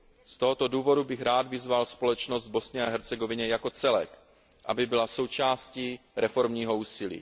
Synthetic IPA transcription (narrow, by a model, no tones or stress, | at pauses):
st̪oɦot̪oduːvo̞dubɪxɾaːd̪vɪzvalspo̞lɛt͡ʃnozd̪̚bo̞sɲɛaɦɛɾt͡sɛɡo̞vɪɲɛjako̞t͡sɛlɛ̰k | ʔa̰bɪbɪlaso̞wt͡ʃaːsciːɾɛfo̞ɾmɲiːɦo̞uːsɪlḭː